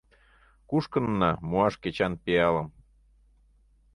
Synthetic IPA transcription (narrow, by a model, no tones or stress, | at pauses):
kuʃkənːɑmuɑʃket͡ɕɑnpeɑləm